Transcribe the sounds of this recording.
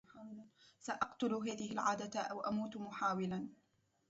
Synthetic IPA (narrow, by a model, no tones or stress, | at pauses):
saʔɑqt̪ʊlɦaːðɪhɪlʕaːd̪aʔawʔamuːt̪mʊħaːwɪlan